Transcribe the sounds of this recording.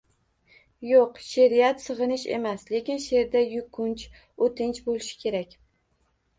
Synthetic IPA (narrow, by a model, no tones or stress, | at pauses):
joqʃeɾijat̪sɨʁɨnɪʃe̞̰masle̞kʲɪnʃe̞ɾd̪ajʊkʰʊnt͡ʃ | ot̪ʰɪnt͡ʃbolˠɪʃɪ̥kʲʰe̞ɾakʲ